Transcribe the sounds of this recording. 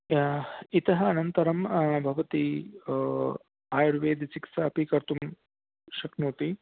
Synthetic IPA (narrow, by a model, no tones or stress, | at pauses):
it̪ɐɦɐɐnɐnt̪ɐɾɐmbʱɐʋɐt̪i | aːjɐɾʋeːd̪it͡ʃiksɐɐpikɐɾt̪um | ʃɐknuːt̪i